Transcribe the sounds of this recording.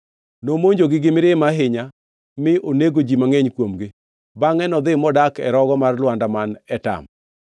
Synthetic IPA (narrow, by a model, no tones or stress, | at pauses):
nomoɲd͡ʒoɡɪɡɪmɪɾɪmaɦɪɲa | mɪʔoneɡod͡ʒimaŋeɲkwomɡɪ | baŋɛnɔd̪ɪmɔdakɛɾɔɡɔmarlwandamanɛta̰m